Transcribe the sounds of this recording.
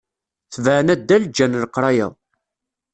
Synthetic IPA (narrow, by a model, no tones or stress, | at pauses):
θəvʕənæd̪ːæld͡ʒːænlqɾˤɑjæ̰